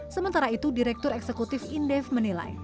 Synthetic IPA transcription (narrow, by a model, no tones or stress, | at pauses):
səmənt̪aɾait̪udiɾɛk̚t̪ʊɾɛksəkut̪ɪfindɛfmənila̰j